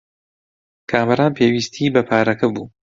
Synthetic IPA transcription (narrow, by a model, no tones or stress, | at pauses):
kʰaːmɐɾaːnpʰeːwiːst̪ʰiːbɐpʰaːɾɐkɐbuː